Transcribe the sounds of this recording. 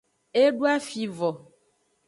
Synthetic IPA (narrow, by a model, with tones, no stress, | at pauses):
e˦ɖu˦a˦fi˨vɔ˨